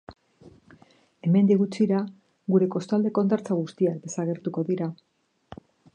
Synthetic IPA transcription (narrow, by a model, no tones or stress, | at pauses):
e̞me̞nd̪iɣut͡siɾa | ɣuɾe̞ko̞st̪oald̪e̞ko̞nd̪aɾt͡saɣ̞ust̪iak̚d̪e̞saɣ̞e̞ɾt̪uko̞ðiɾa